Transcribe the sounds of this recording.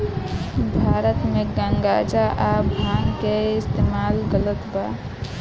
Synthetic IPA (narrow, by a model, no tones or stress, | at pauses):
bʱaɾət̪meɡəŋɡad͡ʒaʔabʱankeɪst̪emalɡələt̪ba